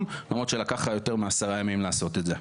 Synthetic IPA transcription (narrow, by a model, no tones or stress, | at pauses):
mlamʁot̪ʃelakaχajo̞teʁmeasaʁajamimlaːso̞t̪ed̪ze